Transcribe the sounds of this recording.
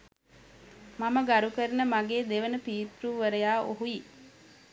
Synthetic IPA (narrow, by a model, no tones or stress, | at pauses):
maməɡaɾukəɾənəmaɡeːd̪eʋənəpiːt̪ɾuːʋəɾəjaːʔo̰ɦuji